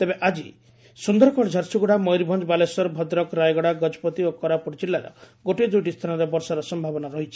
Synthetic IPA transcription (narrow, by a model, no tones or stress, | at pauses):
t̪ebeʔad͡ʒi | sund̪ɔɾɔkɔɽd͡ʒʱaɾsuɡuɽamɔjɾibʱɔnd͡ʒɔbalesɔɾbʱɔd̪ɾɔkɾajɡɔɽaɡɔd͡ʒɔpɔt̪iokɔɾapɔɾt͡ʃilːaɾɔ̰ | ɡoʈid̪ujʈist̪ʰanɔɾebɔɾsɔɾɔsɔmbʱabɔnaɾɔɦit͡ʃʰi̥